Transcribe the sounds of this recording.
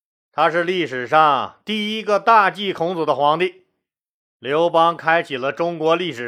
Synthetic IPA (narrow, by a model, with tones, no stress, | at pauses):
t̪ʰa˥ʂɻ̩˥˧li˥˩ʂɻ̩˨˩ʂɑ˥˧ŋt̪i˥˩i˥ɡə˧t̪a˥˧t͡ɕi˥˩kʰʊ˧˥ŋt͡sɔ˨˩d̪ə˦xwɑ˧˥ŋt̪i˥˩ | ljo˧˥ʊpɑ˥ŋkʰa˥ɪt͡ɕʰi˨˩lə˦ʈ͡ʂʊ˥ŋkwɔ˧˥li˥˩ʂɻ̩˨˩